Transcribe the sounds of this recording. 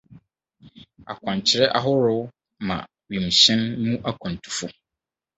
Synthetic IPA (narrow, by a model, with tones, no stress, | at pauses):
a̰˨kʷʰɔ̃˨ɲ˨t͡ɕʰɪ˨ɾɛ˦ʔa˦ɦʊ˦ɾʊ˦ | mã̰˨ | ɥĩ˨mɕɪ̃˦nmũ˦ʔa˦kʰɔ̃˨n˨tʰu̥˨fʊ˦